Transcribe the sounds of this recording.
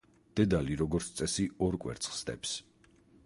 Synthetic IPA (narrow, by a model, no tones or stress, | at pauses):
d̪̥ɛd̪aliɾɔɡɔɾt̪sʰt̪sʼɛsiɔɾkʼwɛ̰ɾt̪sʰχsd̪ɛ̰ps